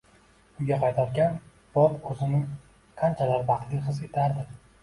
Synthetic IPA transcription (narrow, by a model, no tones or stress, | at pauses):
ʊŋɡʲaqʰɑjt̪ʰaɾkʲan | b̥ɒlɵzɪnɪ | qʰant͡ʃʰalaɾvɑqt̪ʰliχɨzet̪ʰaɾd̪ɪ